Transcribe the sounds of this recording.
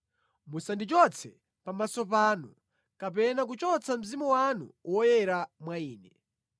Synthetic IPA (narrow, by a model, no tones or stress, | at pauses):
musandit͡ʃɔt͡sʰɛ | pamasɔpaːnu | kap̬ɛnak̬ut͡ʃɔt͡sʰam̩zimuwanṵwɔjɛɾamwaiːnɛ